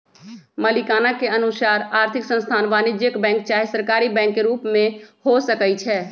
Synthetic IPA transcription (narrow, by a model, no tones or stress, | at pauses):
məlikaːnakeənusaːɾaːɾt̪ʰɪksə̃nst̪ʰaːnʋaːnɪd͡ʒjəkbɛ̃ːŋk̚t͡ʃaːɦesəɾkaːɾibɛ̃ːŋkːeɾuːpmẽhosəkəjt͡ʃʰɛː